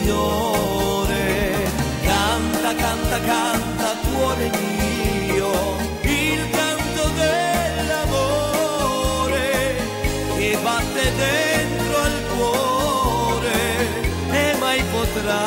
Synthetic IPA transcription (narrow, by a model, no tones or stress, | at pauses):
ɲo | ɾe | kant̪akant̪akant̪at̪uoneɡi | o | ilkant̪od̪elːamo | ɾe | kebat̪ːed̪ent̪ɾoalkwɔ | ɾe | emajpot̪ɾa